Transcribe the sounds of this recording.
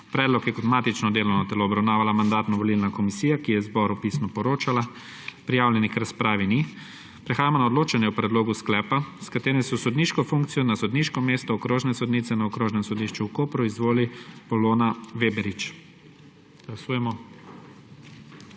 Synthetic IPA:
pɾɛːd̪lɔkjɛkɔt̪maːt̪it͡ʃnɔd̪eːlɔwnɔt̪ɛloːbɾawnaːʋalamand̪aːt̪nɔʋɔlilnakɔmisiːjakijɛzbɔɾupismɔpɔɾoːt͡ʃala | pɾijaːwlʲjɛnixkɾaspɾaːʋini | pɾɛxaːjamɔnaɔd̪loːt͡ʃanjɛwpɾɛd̪loːɡusklɛːpaskat̪eːɾɛsɔsɔd̪niːʃkɔfuŋk̚t̪sijɔnasɔd̪niːʃkɔmeːst̪ɔːkɾoːʒnɛsɔd̪nit̪sɛnaɔkɾoːʒnɛmsɔd̪iːʃt͡ʃukopɾɔizʋoːlipɔloːnaʋeːbɛɾit͡ʃ | ɡ̥lasuːjɛmɔ

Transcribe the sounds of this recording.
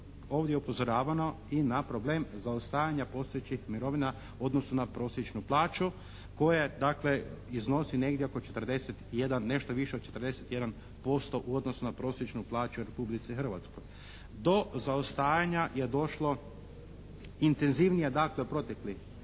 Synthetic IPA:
o̞ːʋd̪jeupo̞zo̞ɾaːʋano̞ | inapɾo̞ble̞ːmzaost̪aːjaɲapo̞st̪ojet͡ʃixmiɾo̞ʋina | uo̞d̪no̞sunapɾo̞ːsjet͡ʃnuplˠaːt͡ʃu | ko̞jed̪akle̞izno̞sine̞ɡd̪ʲjeokot͡ʃe̞t̪r̩d̪e̞set̪je̞d̪anːe̞ʃt̪oʋiʃe̞od̪̚t͡ʃe̞t̪rd̪eset̪je̞d̪an | po̞st̪o̞ʔuod̪no̞sunapɾo̞ːsjet͡ʃnuplˠaːt͡ʃuɾe̞publit̪sixr̩ʋat̪sko̞j | d̪o̞zaost̪aːjaɲaje̞d̪o̞ʃlo̞ | int̪e̞nziʋnijed̪akle̞upɾo̞t̪ekli

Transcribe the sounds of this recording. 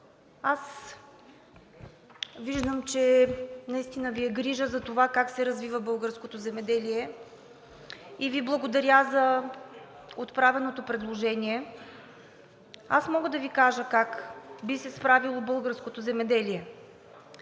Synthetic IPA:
as | viʒd̪əmt͡ʃɛnɐist̪inəviɛɡɾiʒəzɐt̪ovakaksɛɾɐzvivəbɤlˠɡəɾskot̪ozɛmɛd̪ɛlijɛ | iviblˠɐɡod̪ɐɾʲazɐ | ot̪pɾavɛnot̪opɾɛd̪lˠoʒɛniɛ | asmɔɡəd̪ɐvikaʒəkakbisɛspɾavilˠobɤlˠɡəɾskot̪ozɛmɛd̪ɛliɛ

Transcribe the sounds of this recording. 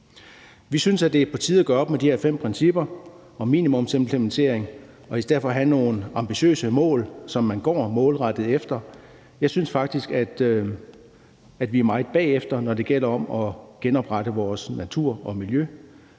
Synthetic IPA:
ʋisynsæd̥e̝pʰɒ̽t͡sʰiːðˠæɡ̥ɶɐɒ̽b̥med̥ihɛɐ̰fem̰pʰʁɛnsib̥ɐ | ɒ̽mḭːnimɔ̽mse̝mpʰlement͡sʰe̝̰ɐeŋ | ɒ̽isd̥eð̰ˠfɒɦæno̝ːnɑ̈mb̥iɕø̰ːsəmɔ̰̽ːlsɒ̽mːænɡ̥ɒ̰ːmɔ̽ːlʁɑd̥ð̩ˠefd̥ɐ | jɑ̈ɪsynsfɑ̈ɡ̥̚d̥isɡ̥æd̥ | æd̥ʋiæɐmɑ̈ɪð̩ˠb̥ɛ̰ːefd̥ɐnɒd̥e̝ɡ̥el̰ɐɒ̽mɒ̽ɡ̥enɒ̽b̥ʁaɾ̥əʋɒːsnæt͡sʰuɐ̰ɒ̽miljø

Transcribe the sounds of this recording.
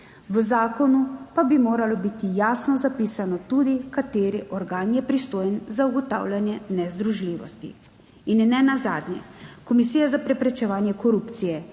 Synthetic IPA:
ʋəzaːkɔnupabimoːɾalɔbit̪ijaːsnɔzapiːsanɔt̪ud̪ikat̪eːɾiʔɔɾɡaːnjɛpɾist̪oːjnzauɡɔt̪a̰ːwlʲjanjɛnɛzd̪ɾuʒliːʋɔ̰st̪ḭ | inːɛnazaːd̪njɛ̰kɔmisijazapɾɛpɾɛt͡ʃɛʋaːnjɛkɔɾuːpt̪sijɛ

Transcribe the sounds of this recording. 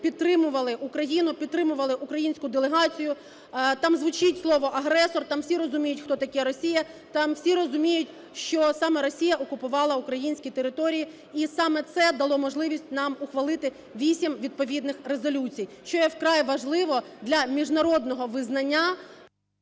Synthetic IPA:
pʲid̪̚t̪ːɾɪmʊʋɐlˠɪʔʊkɾɐjinʊpʲid̪̚t̪ːɾɪmʊʋɐlˠɪʔʊkɾɐjinʲsʲkʊd̪elˠeɦɑt͡sʲijʊ | t̪ɑmzʋʊt͡ʃɪtʲslˠɔʋɔʔɐɦɾɛsɔrt̪ɑmwsʲiɾɔzʊmʲijʊtʲxt̪ɔt̪ɐkʲɛɾɔsʲijɐ | t̪ɑmwsʲiɾɔzʊmʲijʊtʲ | ʃt͡ʃɔsɑmɛɾɔsʲijɐʔɔkʊpʊʋɑlˠɐʊkɾɐjinʲsʲkʲit̪eɾɪt̪ɔɾʲiji | isɑmɛt̪sɛd̪ɐlˠɔmɔʒlˠɪʋʲisʲtʲnɑmʊxʋɐlˠɪt̪ɪ | ʋʲisʲimʋʲid̪̚pɔʋʲid̪nɪxɾezɔlʲut͡sʲijʃt͡ʃɔjɛwkɾɑjʋɐʒlˠɪʋɔd̪lʲɐmʲiʒnɐɾɔd̪nɔɦɔʋɪznɐnʲːa

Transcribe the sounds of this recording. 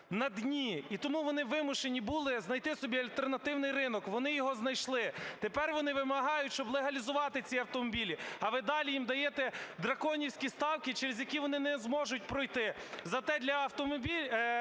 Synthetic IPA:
nɐd̪nʲiit̪ɔmuʋɔnɪʋɪmʊʃenʲibulˠɪznɐjt̪ɪsɔbʲiɐlʲt̪e̞rnɐt̪ɪwnɪjɾɪnɔkʋɔnɪjɔɦɔznɐjʃlˠɪt̪epɛrʋɔnɪʋɪmɐɦɑjʊtʲʃt͡ʃɔblˠeɦɐlʲizʊʋɑt̪ɪt͡sʲiɐwt̪ɔmɔbʲilʲiɐʋɪd̪ɑlʲijimd̪ɐjet̪ɛd̪ɾɐkɔnʲiwsʲkʲist̪ɑwkɪt͡ʃeɾezʲjɐkʲiʋɔnɪnɛzmɔʒʊt̚ʲpɾɔjt̪ɪzɐt̪ɛd̪ʲlʲɐɐwt̪ɔmɔbʲilʲ

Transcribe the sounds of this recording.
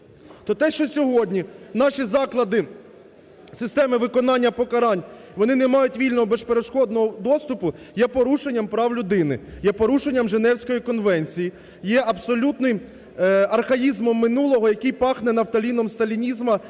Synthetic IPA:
t̪ɔt̪ɛʃt͡ʃɔsʲɔɦɔdʲnʲinɑʃʲizɑklˠɐd̪ɪ | sɪst̪ɛmɪʋɪkɔnɑnʲːɐpɔkɐɾɑnʲʋɔnɪnɛmɑjʊtʲʋʲilʲnɔɦɔbɛʃpeɾeʃkɔd̪nɔɦɔd̪ɔst̪ʊpʊ | jɛpɔɾuʃenʲːɐmpɾɑwlʲʊd̪ɪnɪjɛpɔɾuʃenʲːɐmʒenɛwsʲkɔjikɔnʋɛnʲt͡sʲiji | jɛʔɐbsɔlʲut̪nɪj | ɐrxɐjizmɔmːɪnulˠɔɦɔjɐkɪjpɑxnɛnɐwt̪ɐlʲinɔmst̪ɐlʲinʲizmɐ

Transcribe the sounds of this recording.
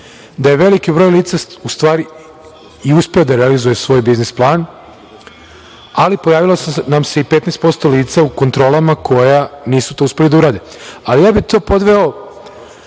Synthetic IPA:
d̪aje̞ʋe̞likibɾojliːt̪saust̪ʋaːɾi | iuspeod̪aɾealizujesʋo̞ːjbiznisplˠaːn | alipo̞jaːʋilosnamse̞ipet̪nest̪po̞st̪o̞liːt̪sauko̞nt̪ɾo̞ːlamakʰo̞janiːsu̥t̪o̞uspe̞lid̪auɾaːd̪e | alijaːbit̪o̞ːpo̞d̪ʋe̞o

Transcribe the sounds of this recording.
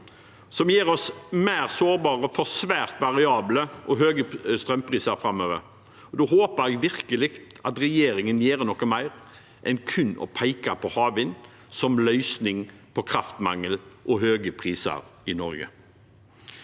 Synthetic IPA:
sɔmjeːɾɔsmæːʁsoːɾbɑːʁəfɔɾsʋæːɾt̪ʋɑʁɪɑːbləʔɔɦøːɡəst̪ɾœmpʰʁiːsɑɾfɾɑmːøːʋə̰ɾ | ɔd̪oɦoːpəɾɛɡʋɪʁkəlɪɡt̪ɑt̪ʁɛjeːɾɪŋənjeːɾnɔkːəmæɪʁ | ʔɛnkʰʉnːɔ̰pʰæɪkɑpʰɔhɑːʋɪn | sɔmlœʏsnɪŋpʰɔkʰɾɑft̪mɑ̰ŋːəlʔɔɦøːɡəpʰʁiːsɑ̰ɾɪnɔɾɡə̰

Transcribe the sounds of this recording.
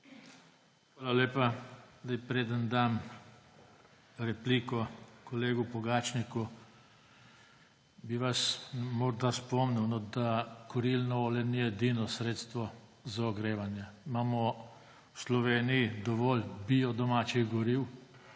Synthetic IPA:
xʋaːlalʲeːpad̪ajpɾeːd̪ənd̪aːm | ɾɛpliːkɔkɔleːɡupɔɡaːt͡ʃniku | biʋasmɔɾd̪aspɔmniwnɔd̪akɔɾilnɔɔːlɛnijɛd̪iːnɔsɾeːt̪st̪ʋɔ | zaɔɡɾeːʋanjɛimaːmɔ | wslɔʋeːnijid̪ɔʋɔːlbiːɔd̪ɔmaːt͡ʃiɣɡɔɾiːw

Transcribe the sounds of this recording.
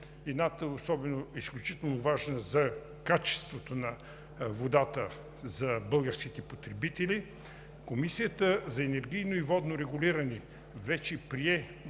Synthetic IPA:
ɛd̪nat̪əɛosɔbɛnoɛisklʲut͡ʃit̪ɛlˠnovaʒnəzɐ | kat͡ʃɛ̥st̪vot̪onɐ | vod̪at̪ə | zɐbɤlˠɡəɾsk̟it̪ɛpot̪ɾɛbit̪ɛlʲi | komisijət̪əzɐɛnɛɾɡʲijnoivɔd̪noɾɛɡʊlʲiɾɐnɛ | vɛt͡ʃɛpɾiɛ

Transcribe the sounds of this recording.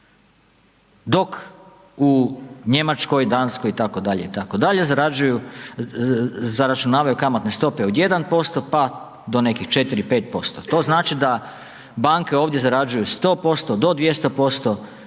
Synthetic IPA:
d̪o̞k | uɲe̞mat͡ʃko̞jid̪aːnsko̞jit̪ako̞d̪aʎe̞it̪akod̪aʎezaɾad͡ʒuju | zaɾat͡ʃunaːʋajukamot̪ne̞st̪o̞pe̞od̪je̞d̪anpo̞st̪o̞pa | d̪o̞ne̞kixt͡ʃe̞t̪iɾipe̞ːt̪̚po̞st̪ot̪o̞ːznaːt͡ʃid̪a | baŋke̞oːʋd̪je̞zaɾad͡ʒujust̪o̞ːpo̞st̪o̞d̪o̞d̪ʋjest̪opo̞st̪o̞

